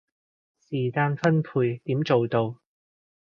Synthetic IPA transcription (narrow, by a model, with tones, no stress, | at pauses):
siː˨˩kaː˧nfɐ˥npʰuː˧jt̪iː˨˥mt͡ʃo˨wt̪o˧w